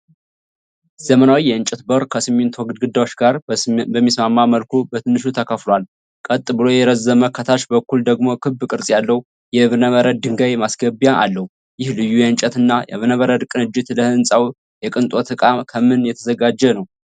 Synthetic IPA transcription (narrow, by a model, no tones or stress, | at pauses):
z̥əmənawijɛɨnt͡ʃʼɛt̪bəɾkʰəsɨmːɪnt̪ʰwɔɡɨd̪ɡɨd̪ːawot͡ʃɡaɾbəmːismamːaməlkʰubət̪ʰɨnːɨʃut̪ʰəkʰəflal | kʼət̪ʼːɨbɨlo̞jɛɾəzːəməkʰːət̪ʰaʃbəkːuld̪əɡmo̞kʰɨbːkʼɨɾsʼjalːəhu | jɛβɨnəβəɾəd̪̚d̪ɨŋɡajmasɡəbjaʔa̰lːəhu | jɪhlɨjːujɛɨnt͡ʃʼət̪ɨnːajɛ̰βɨnəβəɾəd̪kʼɨnɨd͡ʒːɪt̪ləhɨnsʼaw | jɛkʼɨnt̪ʼo̞t̪ʰɨkʼamkʰəmɨnjɛt̪ʰəzəɡad͡ʒːɛnəw